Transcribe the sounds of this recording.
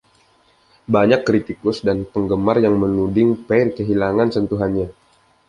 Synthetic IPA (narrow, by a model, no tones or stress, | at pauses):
baɲakːɾit̪ikʊsdanpəŋɡəmarjaŋmənudɪŋpɛrkəɦilaŋansənt̪uɦanɲa